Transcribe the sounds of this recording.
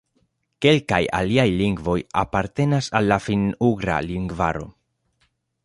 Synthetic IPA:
ke̞lkaja̰liajliŋɡvo̞ja̰paɾte̞nasalːafinuɡɾa̰liŋɡva̰ɾo̞̰

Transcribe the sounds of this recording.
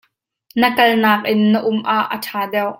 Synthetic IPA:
nəkɐlnaːk̚ʔɪnːəʔʊmʔaʔːə̰tʰaːdɛwʔ

